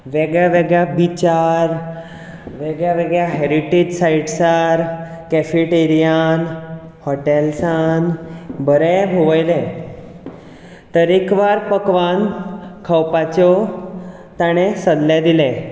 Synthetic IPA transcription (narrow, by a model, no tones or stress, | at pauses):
ʋɛɡɭjaʋeɡɭjabit͡ɕaɾ | ʋeɡɭjaʋeɡɭjaɦeɾiʈed͡ʑsaiʈsaɾ | kɛfiʈeɾijan | hɔʈelsanbəɾɛbʱoʋəjlɛ̃ | t̪əɾekʋaɾpəkʋankʰəwpat͡ɕɔ | t̪aɽ̃esəd̪ljad̪ilɛ̃